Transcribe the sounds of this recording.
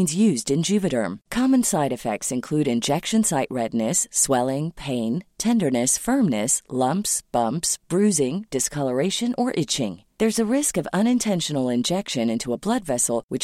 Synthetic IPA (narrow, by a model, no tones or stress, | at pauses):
nzjʉzdɨ̃nd͡ʒʉvɨɾə̰̃˞mkʰɑmɨ̃nsaɪɾɨfɛ̰k̚tsɨ̃nkʰl̥ʉɾɨ̃nd͡ʒɛkʃɨ̃nsaɪʔ̚ɹɛdⁿnɨswɛlˠɪ̃ŋpʰẽɪ̃ntʰɛ̃ndə˞nɨsfɜ̃˞mnɨslʌ̃mpsb̥ʌ̃mpsb̥ɹʉzɪ̃ŋd̥ɨskʰʌlˠə˞eɪʃɨ̃nʔə˞ʔɪt͡ʃɪ̰̃ŋðə˞zɨɹɪskʌvʌ̃ñɨ̃ntʰɛ̃nʃɨnl̩ˠɪ̃nd͡ʒɛkʃɨ̃nɪ̃ntʰuəblʌdvɛsl̩ˠwɨt͡ʃ